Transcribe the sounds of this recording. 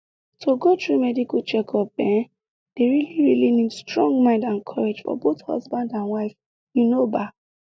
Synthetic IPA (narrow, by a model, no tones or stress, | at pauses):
tʰoɡotʰɹumɛdikat͡ʃɛkʰɔpɛ̃ | d̥eɹiliɹilinidstɹɔ̃ŋɡmãɪ̃ndãnkʰɔɹed͡ʒfɔ̰boθhɔ̰zbãndãnwaɪf | jinoba